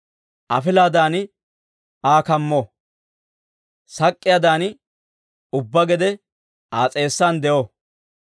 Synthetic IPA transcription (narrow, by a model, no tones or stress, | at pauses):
ʔɐ̰fɪlaːd̪aːn | aːkɐmːo | sɐkʼːɪjɐːd̪aːn | ʊbːɐɡɛd̪ɛ | aːt͡sʼe̞ːsːaːnd̪ɛʔo